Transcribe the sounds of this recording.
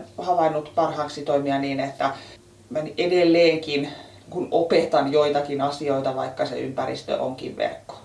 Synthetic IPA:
hɑʋɑinːut̪pɑrhɑːksit̪oimiɑniːnet̪ːæ | mænʔedelːeːŋkin | kunopet̪ɑnjoit̪ɑkinɑsioit̪ɑʋɑ̰ikːɑsḛympærḭst̪ø̰ʔoŋkḭʋʋḛrkːo̥

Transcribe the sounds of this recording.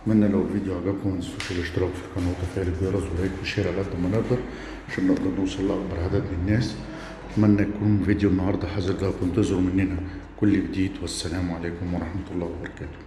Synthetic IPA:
mænːælæwɪlviːd̪juhaɡæːkʊmːɪnɪsuʃælɪʃt̪ɪɾɑːbfilkɑnut̪æfæːlɪɡbiːɾˤɑzhæːkfɪʃeːɾʕalʔad̪ːæmænɪɡd̪ɑɾˤ | aʃæbnɪʔd̪ɑɾˤnʊwsˤɑlːʔɑk̚bɑɾˤʕad̪æt̪mɪnɪnːæːs | ɪt̪mænːæjkuːnmvid̪junːɑhɑɾˤd̪ˤɑħazɑɾd̪æːkʊmt̪ɪzɪɾmɪnːinæ | kʊlːibd̪iːt̪wæsːælæːmʕaleːkʊmwɑɾˤɑħmæt̪ʊlˤːɑːhwɑbɑɾˤɑkæːt̪ʊ̥

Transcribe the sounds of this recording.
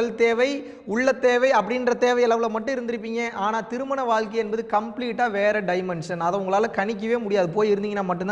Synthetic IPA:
lt̪eːʋɐɪ | ʊɭːɐt̪ːeːʋɐɪɐpːɐɽɪnrɐt̪eːʋɐɪɐlɐʋɪlɐmɐʈːɯ̃ɪɾɯnd̪ɪɾɯp̬ːiːŋɡɐʔaːnaːt̪ɪɾɯmɐɳɐʋaːɻkɐɪɛnbɐðɯkɐmpliːʈːaːʋeːɾɐɖɐɪmɛnʂɐnɐðɐʊŋɡɐɭaːlɐkɐɳɪk̬ʲːɯʋeːmʊɽɪjaːðɯpoːjɪɾɯnd̪ɪŋɡɐnːamɐʈːɯna

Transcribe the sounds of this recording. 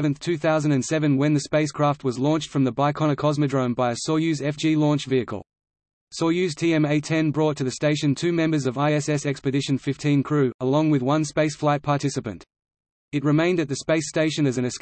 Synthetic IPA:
vɨ̃nθtʰʉθaʊzɨ̃ndɨ̃nsɛvɨ̃nwɨ̃nðɨspeɪskʰɹ̥æft̚wʌzlɔ̃ˑnt͡ʃtfɹʌ̃mðəbaɪkʰɑñəkʰɑzmɨdɹə̃ʊ̃nbaɪɨsɔjʉzɛfd̥d͡ʒ̥ilɔ̃ˑnt͡ʃviɨkə̰lˠ | sɔjʉztʰiɛ̃meɪtʰɛ̃nbɹɔtʰɨðɨsteɪʃɨ̃ntʰʉmɛ̃mbə˞zʌvaɪɛsɛsɛkspɨdɪʃɨ̃nfɪftʰĩnkʰɹ̥ʉəlɔ̃ŋwɨðwʌ̃nspeɪsflaɪt̚pʰɑɹtʰɪsɨpɨ̰̃nt | ɨt̚ɹɨmẽɪ̃ndɨt̪̚ðɨspeɪsteɪʃɨ̃nɨzɨ̃nɨs

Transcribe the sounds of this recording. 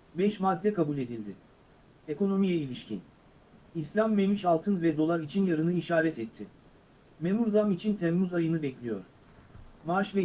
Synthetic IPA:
bɛʃmad̪ːɛkʰabulʲe̞d̪ilʲd̪ɪ | e̞ko̞no̞mijɛilʲiʃcʰḭn | islʲamːemiʃalˠt̪ʰɯnvɛd̪o̞lˠaɾit͡ʃʰinjaɾɯnɯiʃaːɾɛt̪ʰɛt̪ʰːɪ | me̞munzamit͡ʃʰint̪ʰɛmːuzajɯnɯbɛclʲijo̞̰ɾ̥ | maaʃvɛ

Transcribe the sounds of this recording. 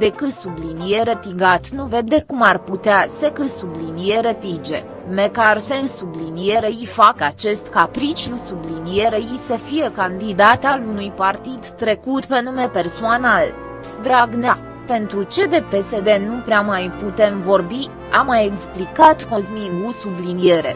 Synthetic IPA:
d̪e̞kɨt̪sublinije̞ɾət̪iɡat̪nuve̞d̪ːe̞kumarput̪easekɨt̪sublinije̞ɾət̪id͡ʒe̞̰ | mekarsensublinije̞ɾeifakat͡ʃe̞st̪kapɾit͡ʃiusublinije̞ɾeisəfije̞kand̪id̪at̪alunujpart̪id̪ːɾe̞kut̪pe̞nume̞pe̞rsoanal | sd̪ɾaɡnea | pe̞nt̪ɾut͡ʃe̞d̪e̞pe̞se̞d̪e̞nupɾeamajput̪e̞mvo̞rbi | amajeksplikat̪ko̞zmiɡusublinije̞ɾe̞̰

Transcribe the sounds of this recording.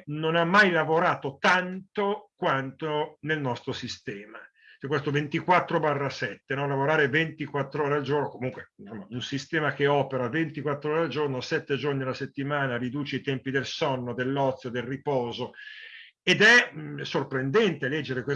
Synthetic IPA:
nonamːajlavoɾaːt̪ot̪ant̪okwant̪onelnɔst̪ɾosist̪ɛːma | ɛkwest̪ovent̪ikwat̪ːɾobarːasɛt̪ːenɔlavoɾaːɾevent̪ikwat̪ːɾoːɾeald͡ʒornokomuŋkwesomːaunsist̪ɛːmak̟eɔːpeɾavent̪ikwat̪ːɾoːɾeald͡ʒornosɛt̪ːed͡ʒornialaset̪ːimaːnarid̪uːt͡ʃeit̪ɛmpid̪elsɔnːod̪elːɔt̪sːjod̪elripɔːzo | ed̪ɛsorpɾend̪ɛnt̪elɛd͡ʒːeɾekwe

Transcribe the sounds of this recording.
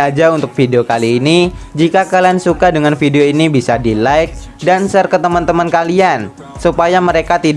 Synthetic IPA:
ad͡ʒaunt̪ʊk̚fideokaliːni | d͡ʒikakaliansukadəŋanfideoinibisadilaɪk̚ | dansərkət̪əmant̪əmankalian | supajaməɾekat̪id

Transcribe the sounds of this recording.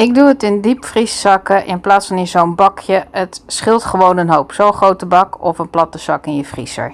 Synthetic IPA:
ɪɡ̚duətɪndipfrisːɑkəʔɪnplaːtsfɑnjəzownbɑkjəətsχɪlˠtχəʋownənɦowpsowχrowtəbɑkɔfənplɑtəsɑkɪnjəfrḭsə̰ɹ

